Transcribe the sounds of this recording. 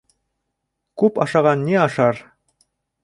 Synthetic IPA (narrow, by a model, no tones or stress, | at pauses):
kʉpɑʃɑʁɑnːiɑʃɑɾ